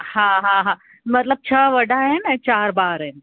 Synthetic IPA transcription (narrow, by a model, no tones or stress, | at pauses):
hãːɦãɦã | mɐt̪ləb̚t͡ɕʰəʋɐɖʱaɦɛnt͡ɕaːɾbaːɾɦɛn